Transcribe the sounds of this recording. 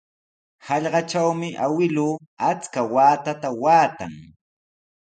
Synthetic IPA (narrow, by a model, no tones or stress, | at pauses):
hɑʎɢɑt͡ʃawmɪʔawɪluːat͡skawaːt̪at̪awaːt̪a̰ŋ